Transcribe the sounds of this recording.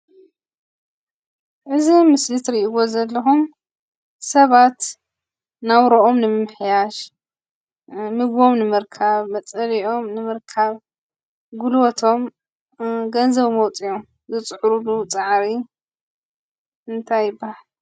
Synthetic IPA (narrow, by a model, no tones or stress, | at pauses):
ʔɨzimɨslɨt̪ɾiʔiɡo̞zɐlːɐxum | sɐβat̪ | nawɾoʔo̞mnɨmɨmħjaʃ | mɨɡβo̞mnɨmɨɾkʰaβmɐt͡sʼɐliʔo̞mnɨmɨɾkʰaβ | ɡulwot̪ʰo̞m | ɡɐnzɐβmɐwt͡sʼijom | zɨt͡sʼħɾulut͡sʼaʕɾi | ɨnt̪ʰajːɨbːahal